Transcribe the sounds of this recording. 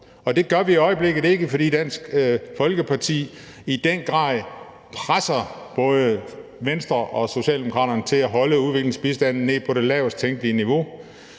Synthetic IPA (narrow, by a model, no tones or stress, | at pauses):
ɒ̽d̥e̝ɡ̥ɶɐʋiːɒ̽ɪəb̥le̝ɡ̥ð̩ˠe̝ɡ̥əfɒ̽d̥ḭːd̥æn̰sɡ̥fɒ̽lɡ̥əpʰɑ̈t͡sʰḭː | id̥enɡ̥ʁɑ̈ː | pʰʁasɐb̥ɔ̽ːð̞ˠəʋensd̥ʁɐʔɒ̽so̝ɕɛ̰ːld̥emokʰʁɑ̰ːɾɐnət͡sʰe̝læɦɒ̽ləuðˠʋe̝ɡ̥le̝ŋsb̥isd̥æn̰̩ːe̝pʰɒ̽ɾe̝lɛʊsd̥̚t͡sʰeŋɡ̥liəniʋo̝